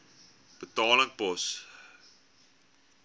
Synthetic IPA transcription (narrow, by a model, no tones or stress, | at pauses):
b̥ətɑːləŋpɔs